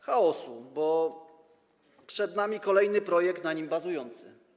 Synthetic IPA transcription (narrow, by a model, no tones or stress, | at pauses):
xaɔsubɔ | pʂɛd̪namʲikɔlɛjnɘpɾɔjɛkt̪naɲimbazujɔnt̪sɘ̰